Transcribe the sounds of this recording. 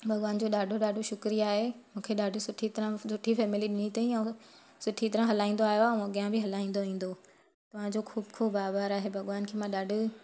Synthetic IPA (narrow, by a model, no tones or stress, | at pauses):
bʱɐɠʋaːnd͡ʑoːɗaːɖʱoɗaːɖʱoʃʊkɾiaːɦemũːkʰeɗaːɖʱʊ̆sʊʈʰit̪ɐɾə̃sʊʈʰifɛːmɪliɗɪnit̪ɐːĩɛ̃ | sʊʈʰit̪ɐɾə̃ɦɐlaːĩːn̆d̪oaːɦjoɛ̃mãɠijãbɪɦɐlaːĩːn̆d̪oʋĩːn̆d̪o | t̪ɐʋ̤ãd͡ʑoxuːbkʰuːbbaːbəɾaːɦebʱɐɠʋaːnkʰeːmãɗaːɖʱʊ̆